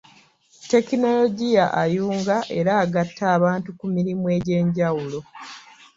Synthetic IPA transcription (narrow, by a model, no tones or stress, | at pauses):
te̞kino̞lo̞ɟijaʔajuːŋɡaʔe̞ɾaːɡatʰːaːβaːntukumiɾimue̞ːɟe̞ːɲɟawulo̞